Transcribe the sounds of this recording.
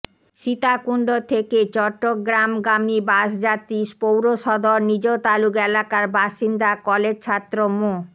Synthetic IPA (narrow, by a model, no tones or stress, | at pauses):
ʃit̪akuɳɖot̪ʰeket͡ɕɔʈːoɡɾamɡamibaʃd͡ʑat̪iʃpowɾoʃɔd̪ʱoɾnid͡ʑot̪alukelakaɾbaʃind̪akɔled͡ʑt͡ɕʰat̪ːɾomo